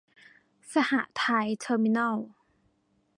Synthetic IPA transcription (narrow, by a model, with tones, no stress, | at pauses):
sa˧ha˧˩ʔt̪ʰa˧˥jt̪ʰɤː˧˥mi˧na˥˩l